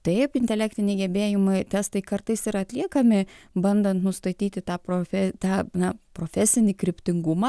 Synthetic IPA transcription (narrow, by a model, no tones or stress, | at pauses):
t̪ɐɪpɪnʲt̪ʲɛlʲæːk̚t̪ʲɪnʲɛɪɡʲɛbʲeːjɪmɐɪt̪ʲæst̪ɐɪkɐrt̪ɐɪsɪɾɐt̪ʲlʲiɛkɐmʲɪbɐnd̪ɐnt̪nʊst̪ɐt̪ʲiːt̪ʲɪt̪ɑːpɾofʲɛt̪ɑːnɐpɾoːfʲæsʲɪnʲɪkɾʲɪpʲt̪ʲɪŋɡʊmɑː